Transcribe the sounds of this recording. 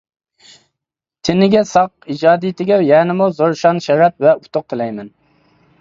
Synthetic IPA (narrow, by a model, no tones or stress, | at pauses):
t̪ʰɪnɪɡʲɛsɑqid͡ʒɑːd̪ijt̪ʰɪɡʲɛwjɛːnɪmuzoɾʃɑnʃɛɾɛp̪̚vɛut̪ʰʊq̚t̪ʰɪlɛjmɛn